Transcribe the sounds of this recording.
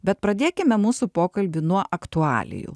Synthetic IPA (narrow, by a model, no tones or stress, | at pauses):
bʲɛt̪̚pɾɐd̪ʲeːkʲɪmʲɛmuːsupoːkɐlʲbʲʊnuɔʔɐkt̪ʊɑ̰ːlʲɪ̰jṵ